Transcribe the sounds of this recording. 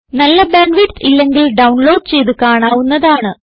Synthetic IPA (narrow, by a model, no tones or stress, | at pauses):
nɐlːɐbaːnʋiʈilːe̞ŋɡilɖɐwɳloːɖt͡ɕe̞jt̪̬ukaːɳaːʋunːɐðaːɳɨ